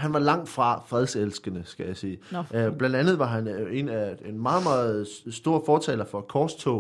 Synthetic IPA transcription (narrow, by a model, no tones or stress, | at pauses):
ɦhænʋɑ̈lɑ̈ŋ̰̥fʁɑ̈fʁɛð̞ˠselsɡ̥ənəsɡ̥æjɑ̈siːb̥lænd̥ænð̞ˠʋɑ̈ɦæne̝næe̝nmɑ̈ːð̞̩ˠmɑ̈ːð̩ˠsd̥o̝ːɐfɒːt͡sʰɛ̰ːlɐfɒ̽kʰɒːst͡sʰɔ̰